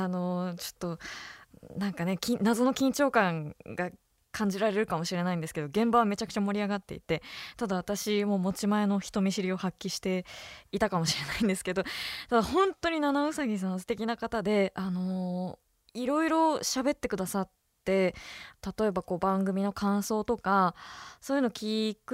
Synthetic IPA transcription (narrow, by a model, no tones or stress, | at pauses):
ano̞t͡ɕo̞̥t̪ːo̞ | nãŋkane̞kʲĩnazono̞kʲĩɲt͡ɕo̞ːkãŋɡa | kʰãɲ̟d͡ʑiɾaɾe̞ɾɯ̟kamo̞ɕiɾe̞naĩnd̪esɨ̥ke̞d̪o̞ɡẽ̞mbaβ̞ame̞t͡ɕakɯ̟̥t͡ɕamo̞ɾʲiaɡat̪ːe̞̰ḭt̪e̞t̪ad̪aβat̪aɕimo̞ːmo̞t͡ɕimae̞no̞çi̥t̪o̞mʲiɕiɾʲio̞hakʲːiɕi̥t̪e̞it̪akamo̞ɕiɾe̞naĩnd̪e̞sɨ̥ke̞d̪o̞t̪ad̪ahõ̞nt̪o̞ɲ̟inanaosaɡʲis̬ãnːosɨ̥t̪e̞kʲinakat̪ad̪e̞ano̞ | iɾo̞iɾo̞ɕabe̞t̪ːe̞kɯ̟d̪asat̪ː | e̞t̪at̪o̞e̞bako̞ːbãŋɡɯ̟mʲino̞kʰãɰ̃so̞ːt̪o̞kaso̞ːjɯ̟nokʲikɯ